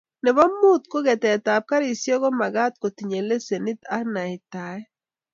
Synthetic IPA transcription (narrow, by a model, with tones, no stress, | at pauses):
nɛ˨βɔ˦mːʊ˦t̪ko˦ɡɛ˨tɛ˨ta˨p̚ka˦ɾi˨sjɔ˦ɣɔ˦ma˨ɡa˦t̪̚ko˨ti˨ɲe˨le˦se˨ni˦ta˦ɾna˨ɪ˨ta˨˦ɛ˦